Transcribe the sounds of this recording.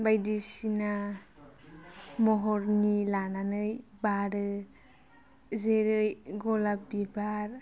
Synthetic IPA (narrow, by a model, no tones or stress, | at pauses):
bajdisina | mɔɦɔɾnilananɯjbaɾɯ | zeɾɯjɡɔlapbibaɾ